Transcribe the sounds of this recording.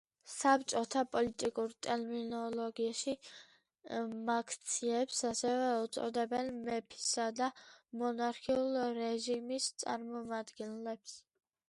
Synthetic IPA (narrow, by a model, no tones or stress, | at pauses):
sap̚ʰt͡ʃʼɔt̪ʰapʼɔlit̪ʼikʼuɾt̪ʼɛɾminɔlɔɡiaʃi | makʰt̪sʰiɛpsasɛvɛut̪sʼɔ̰d̪ɛbɛnmɛpʰi̥sad̪amɔnaɾkʰiulˠɾɛʒimist̪sʼa̰ɾmɔmad̪ɡɛnlɛps